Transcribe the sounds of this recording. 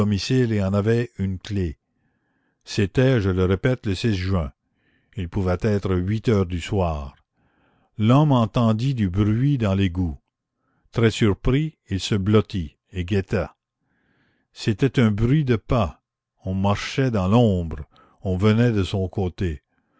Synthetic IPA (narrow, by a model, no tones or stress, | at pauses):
ɔmisileɑ̃navɛynkle | set̪ɛʒələʁepɛt̪ləsɛzʒɥɛ̃ | ilpuvɛt̪ɛːt̪ɾəɥit̪œːʁd̪yswaːʁ | lɔmɑ̃t̪ɑ̃d̪id̪ybʁɥid̪ɑ̃leɡu | t̪ɾɛsyʁpɾi | ilsəblɔt̪i | eɡet̪a | set̪ɛt̪ɛ̃bʁɥid̪əpa | ɔ̃maʁʃɛd̪ɑ̃lɔ̃ːbʁ | ɔ̃vənɛd̪əsɔ̃koːt̪e